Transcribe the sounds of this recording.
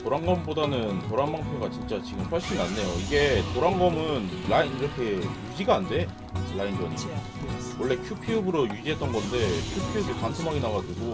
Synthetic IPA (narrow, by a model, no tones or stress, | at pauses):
toɾaŋɡʌmbodanɯntoɾanmaŋpʰjoɡat͡ɕint͡ɕ͈at͡ɕiɡɯmɸwʌɭɕ͈inianːe̞joiɡe̞toɾaŋɡʌmɯnlainiɾʌkʰe̞jud͡ʑiɡaːnde̞ | lainɡʌni | wʌɭːe̞kʰjupʰiubɯɾojud͡ʑiɦe̞t͈ʌnɡʌnde̞kʰjupʰiubipansʰomɦaɡenaɡad͡ʑuɡo